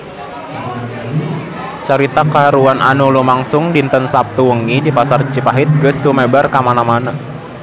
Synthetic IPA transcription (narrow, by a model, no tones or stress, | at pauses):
t͡ʃaɾit̪akaɦaɾuanʔanulumaŋsʊŋdint̪ənsap̚t̪uwəŋidipasart͡ʃipaɦit̪̚ɡəsːumebarkamanamana